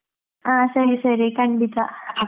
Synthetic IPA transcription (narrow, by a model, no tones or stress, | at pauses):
asɐɾisɐɾikɐɳɖit̪a